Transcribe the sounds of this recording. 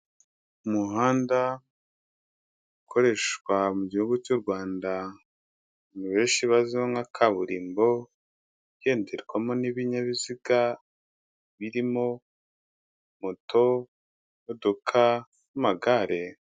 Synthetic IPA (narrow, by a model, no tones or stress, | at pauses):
umuɦaːnda | ukʰo̞ɾe̞ʃkwamuɟihuɡut͡ʃuɾɡwaːnda | niβe̞ːnʃiβazioŋakʰaβuɾiːmbo̞ | βje̞ːnde̞ɾɡwamo̞niβiɲaβiziɡa | βiɾimo̞ | motʰo̞ | modokʰa | numaɡaɾe